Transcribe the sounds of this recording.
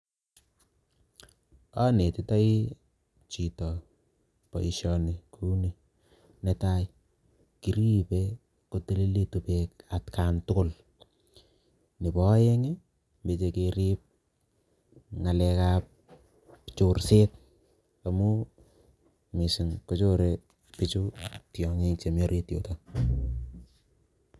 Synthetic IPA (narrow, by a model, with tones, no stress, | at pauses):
a˦ne˨tɪ˦ta˦i˦ | t͡ʃi˨tɔ˨ | pa̰˨i˨ʃɔne˨kʰu˦ni˨ | netaj | kiɾi˦pe | ko˨te˦le˦le˦tu˨pekatkʰantʊ˦kʊ˦l | nɪ˨bɔ˦je˦ŋe˦ | mbe˨t͡ʃekeɾip̚ | ŋa˨lɛkap̚ | t͡ʃoɾse˦t̚ | a˨mu | mɪ˨sɪ˨ŋkot͡ʃo˦ɾe | pɪt͡ʃu˦tjɔ˨ŋe˦k̚t͡ʃe˨mɔ˦ɾʔetjo̰˨ta